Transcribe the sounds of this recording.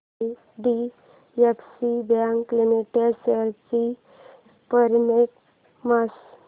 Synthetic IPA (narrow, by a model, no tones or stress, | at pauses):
i | ɖi | jeksibjãŋkːlimiʈeɖseɾt͡ɕi | pəɾmeʈ̚ | mas